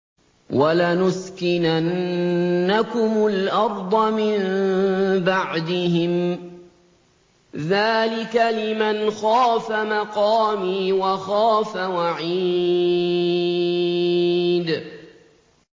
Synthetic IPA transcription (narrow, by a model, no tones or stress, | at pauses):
walanʊskɪnanː | akʊmʊlʔɑɾˤd̪ˤɑmɪm | baʕd̪ɪɦɪm | ðaːlɪkalɪmanxaːfamɑqɑːmiːwaxaːfawaʕiː | d̪